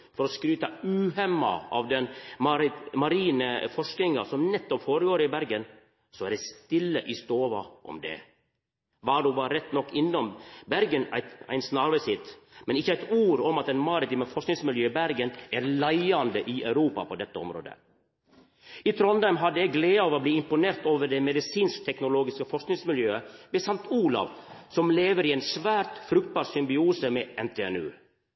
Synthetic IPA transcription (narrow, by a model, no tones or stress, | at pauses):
fɔɾɔskɾyːt̪ɑʉːɦɛmːɑ̰ʔɑ̰ʋd̪ɛnmɑɾmɑɾiːnəfɔʂknɪŋɑsɔmnɛt̪ːɔpfoːɾəɡoːɾəɪbæɾɡən | sɔæɾɖ̪ɛɪst̪ɪlːəʔɪst̪oːʋɑʔɔ̰md̪ɛ̰ | ʋɑɖubɑːəɾɛt̪ːnɔkːɪnːɔmbæɾɡənæ̰ɪt̪æ̰ɪnsnɑɾʋəsɪt̪mɛnɪçːəæɪt̪uːɾɔmɑt̪ɛnmɑɾɪt̪iːməfɔʂknɪŋsmɪljøːbæɾɡənæːɾlæɪɑnd̪əʔiʔæʉɾuːpɑ̰pʰoːd̪ɛt̪ːəɔ̰mɾo̰ːd̪ə̰ | it̪ʰɾɔnd̪æɪmɦɑd̪ːəɛɡleːɑːʋɔbliːɪmpʊneːɾt̪oːʋəɾɖ̪ɛmɛd̪ɪsiːnskt̪ʰɛknʊloːɡɪskəfɔʂknɪŋsmɪljøːəbɛsɑŋt̪uːlɑ̰ʋsɔmleːʋəɾiɛɪnsʋæːɾt̪fɾʉkt̪̚bɑːɾsʏmbɪuːsəmɛɛnt̪ʰeɛ̰nʉ̰ː